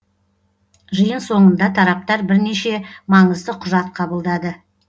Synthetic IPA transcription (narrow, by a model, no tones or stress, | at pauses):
ʒəjənso̞ɴənd̪ɑt̪ʰɑɾɑp̚t̪ɑɾbɪɾne̞ʃe̞mɑɴəzd̪əqʰʊʒɑt̪̚qʰɑbəlˠd̪ɑd̪ə